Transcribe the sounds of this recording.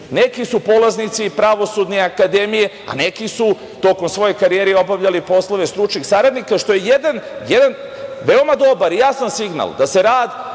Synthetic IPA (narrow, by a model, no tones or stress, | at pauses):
ne̞kisupo̞laznit̪sipɾaʋo̞sud̪niakad̪emije̞ | a̰ne̞kisu | t̪o̞ko̞msʋo̞jojkaɾijeɾio̞baʋʎalipo̞slˠoʋe̞st̪ɾut͡ʃniɡsaɾad̪nikaʃt̪o̞jejed̪anjed̪an | ʋeo̞mad̪o̞baɾijasansiɡna̰ld̪ase̞ɾaːd̪